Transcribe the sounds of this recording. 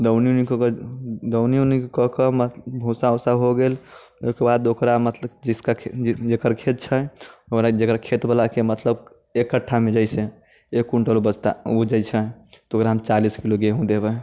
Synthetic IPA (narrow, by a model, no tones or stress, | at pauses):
d̪əwnijonikkd̪əwnijonikkɔkəmət̪bʱũsaosaɦoɡel | okebad̪okɾamət̪ləbd͡ʒiskad͡ʒekəɾkʰet̪̚t͡ʃʰəokɾad͡ʒekɾakʰet̪bəlakemət̪ləb | ekːəʈʰːamed͡ʒəɪsẽ | ekːuɳʈəlobəd͡ʒt̪aud͡ʒəjt͡ʃʰɛt̪okɾaɦəmt͡ʃaliskiloɡeɦũd̪ebɛ